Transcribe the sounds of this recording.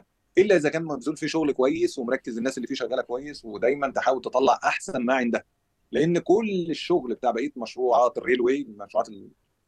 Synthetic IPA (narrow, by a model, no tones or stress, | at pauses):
ʔelːæʔezækæːnmæbzuːlfiːʃoɣlkowæjːeswemɾˤɑkːezenːæːselːiːfiːʃæɣæːlækowæjːeswed̪æjmænt̪eħaːwelt̪et̪ˤɑlːɑ̰ʕʔaħsænmaʕend̪æ | leʔenːkoleʃːoɣlbet̪aːʕbæʔiːt̪mæʃɾuːʕɑːt̪erːelweːlmæʃɾṵʕɑ̰ːt̪el